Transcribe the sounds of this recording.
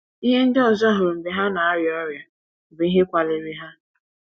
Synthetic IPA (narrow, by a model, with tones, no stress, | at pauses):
i˦ɦe˦n̩˦dɪ˦ɔ˨zɔ˦ɦʊ˨ɾm̩˨be˨ɦa˦na˨a˦ɾjɔ˦ɾja˨ | be˨˦i˦ɦe˦kʷa˨lɪ˦ɾi˦ɦa˦